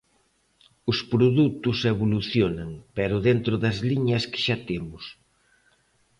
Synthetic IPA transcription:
ʊspɾoðut̪ʊseβoluθjonɐŋpɛɾʊðent̪ɾʊðɐzliɲɐskɪ̥ʃat̪emʊs

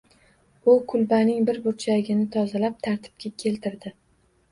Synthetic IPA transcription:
ʊkʰʊlbanɪŋbɪɾbʊɾt͡ʃʰaɪɡʲɪnɪt̪ʰɒzalap̚t̪ʰaɾt̪ʰɪ̥b̥̚kʲʰakʲʰe̞lt̪ʰɪɾd̪ɪ

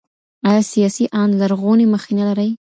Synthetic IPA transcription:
ɑjɑsijɑsiʔɑnlaɾɣoneməxenalaɾəj

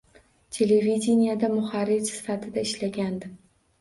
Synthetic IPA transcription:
t̪ʲʰe̞levidʲenijad̪amʊχaɾɪt͡ʃsɪ̥fat̪ʰɪd̪aɪʃlaɡʲand̪ɪ

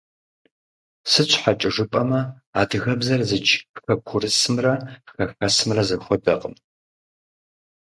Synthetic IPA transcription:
sɨɕʷʰʼħat͡ʃʼɪʐɨpʼɐmɐ | aːdɨɣɐbzɐrzɨt͡ʃɪxɐkʷʰʊrɨsɨmrɐxɐxɐsɨmrɐzɐxʷɔdɐqʼəm

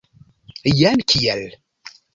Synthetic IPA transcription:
jænkːjæl

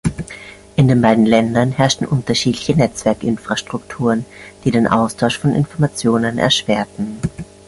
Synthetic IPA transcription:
ʔɪndeːnbaɪdn̩lɛndɐnhɛɐʃtn̩ʔʊntɐʃiːtlɪçənɛt͡sv̥ɛɐkʔɪnfʁ̥aʃtʁ̥ʊktʰuːʁənd̥iːdeːnʔa̰ʊstʰaʊʃfɔnʔɪ̰nfɔɐmat͡sjoːnənɛ̰ɐʃv̥eːɐtn̩

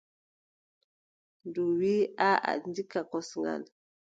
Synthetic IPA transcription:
nduwiaa̰ndikakɔsŋɡa̰l

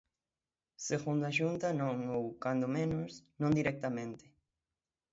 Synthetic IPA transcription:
seɣund̪aʃunt̪anõŋowkand̪omẽnoʊsnõnd̪iɾɛk̚t̪amẽnt̪ɪ̥

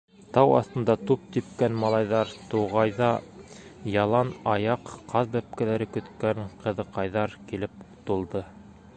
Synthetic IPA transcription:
t̪ɑwɑ̰θt̪ɤ̆nd̪ɑt̪up̚t̪ip̚kænmɑlˠɑjðɑɾt̪uʁɑjðɑ | jɑlˠɑnɑjɑqːɑðbæp̚kælæɾɘkɵ̆t̪kæŋqɤ̆ðɤqɑjðɑɾkilɘp̚t̪ulˠd̪ɤ

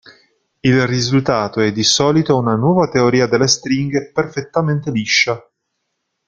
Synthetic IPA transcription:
ilrizult̪aːt̪oɛd̪ːisɔːlit̪ounanwɔːvat̪eoɾiːad̪elːest̪ɾiŋɡeperfet̪ːament̪eliʃːa

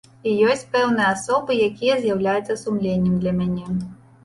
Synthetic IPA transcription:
ijɔsʲt͡sʲpɛwn̪ɨjɐasɔbɨjakʲijɐzʲjawlʲajut̪sːɐsumlʲenʲːɛmd̪lʲɐmʲanʲɛ

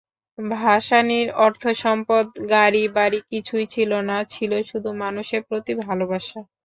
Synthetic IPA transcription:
bʱaʃaniɾɔɾt̪ʰoʃɔmpod̪ɡaɾibaɾikit͡ɕʰujt͡ɕʰilonat͡ɕʰiloʃud̪ʱumanuʃeɾpɾot̪ibʱalobaʃa

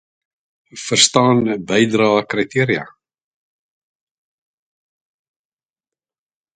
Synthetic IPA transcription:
fəɾ̥st̪aːnbɛjd̪ɾaːðakɾajt̪ʰiːɾja̰

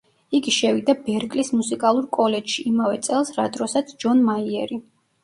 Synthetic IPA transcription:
iɡiʃɛvid̪abɛɾkʼlismusikʼalˠuɾkʼɔlɛd͡ʒʃiːmavɛt̪sʼɛlˠsɾad̪ɾɔsat̪sʰd͡ʒɔnmaiɛɾi

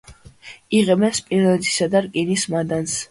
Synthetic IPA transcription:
iʁɛmɛspʼiɾnɛt̪ʰʼi̥sad̪aɾkʼinismad̪ans

